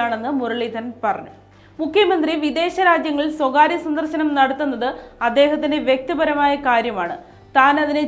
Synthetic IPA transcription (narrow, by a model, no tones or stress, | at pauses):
aːɳe̞nːɨmuɾɐɭiːt̪ːɐnpɐrɐ̰ɲːu | mukʰjɐmɐnd̪riʋid̪e̞ːɕɐɾaːd͡ʑjɐŋːɐɭswɐɡaːɾjɐsɐnd̪ɐrɕɐnɐmnɐɽɐt̪ːunːɐðɨɐd̪ːe̞ːɦɐt̪ːindeʋjek̚t̪ɐbɐɾɐmaːjɐkaːɾjɐmaːɳɨ | t̪aːnɐðinɨ